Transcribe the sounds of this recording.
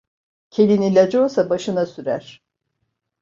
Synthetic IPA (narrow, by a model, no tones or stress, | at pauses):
cʰe̞lʲinilʲad͡ʒolˠsabaʃɯnasyɾæɾ̥